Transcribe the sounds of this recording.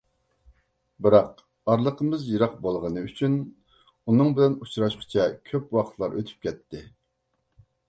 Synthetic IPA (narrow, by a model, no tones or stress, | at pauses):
bɨɾɑq | ɑɾlˠəqʰəmɨzjiɾɑq̚bolˠʁənɨyt͡ʃʰyn | unɨŋbɪlɛnut͡ʃʰɾɑʃqʰə̥t͡ʃʰɛkʲʰøpwɑqʰt̪ʰlˠɑɾʔøt̪ʰy̥p̚kʲɛt̪ʰːɪ